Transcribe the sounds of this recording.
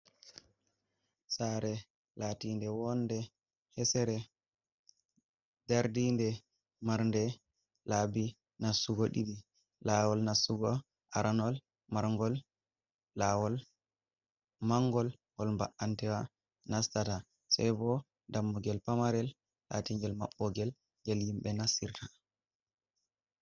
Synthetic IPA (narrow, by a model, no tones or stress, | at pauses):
saɾɛ | latindɛwɔnːdɛ | hɛsɛɾɛ | daɾdindɛ | maɾndɛ | laːbi | nasuɡɔɗiɗi | lawɔlnasːuɡɔ | ʔaɾʔanɔl | maɾŋɡɔlː | awɔl | maŋɡɔl | hɔlmbaʔantɛwa | nastata | sa̰jbɔ | damːuɡɛlpamaɾɛlː | a̰tiŋɡɛlmaɓːɔɡɛl | ɡɛlhimɓɛnasiɾta